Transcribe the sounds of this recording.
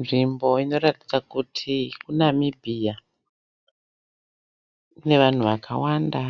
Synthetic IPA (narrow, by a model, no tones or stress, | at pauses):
nʐimbo̞ino̞ɾati̥d͡zakutʰikunamibʱija | ne̞ʋan̤uʋakʰa̰wanda